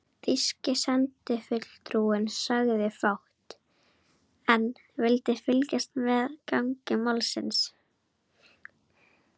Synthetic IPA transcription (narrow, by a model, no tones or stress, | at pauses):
θiscɪsɛnt̪ɪfʏt̪l̥t̪ɾuɪnsaɣðɪfawht̪ | ɛn | vɪlt̪ɪfɪlcast̪mɛðkawŋcɪmalsɪ̰ns